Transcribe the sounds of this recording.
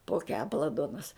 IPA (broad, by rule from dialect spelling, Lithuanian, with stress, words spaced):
poː ˈkʲæːpɐlˠɐ ˈduɔnɐs